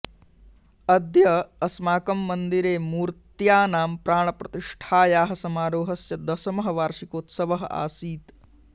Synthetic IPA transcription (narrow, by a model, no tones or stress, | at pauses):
ɐd̪jɐɐsmaːkɐmːɐnd̪iɾeːmuːɾt̪jaːnaːmpɾaːɳɐpɾɐt̪iʂʈʰaːjaːɦɐsɐmaːɾoːɦɐsjɐd̪ɐsɐmɐɦɐʋaːɾʂikoːt̪sɐʋɐɦɐʔa̰ːsiːt̪